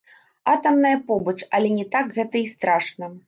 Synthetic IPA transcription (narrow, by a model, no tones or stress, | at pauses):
at̪ɐmnɐjɐpɔbɐt͡ʂɐlʲɛnʲɛt̪akɣɛt̪ɐist̪ɾaʂnɐ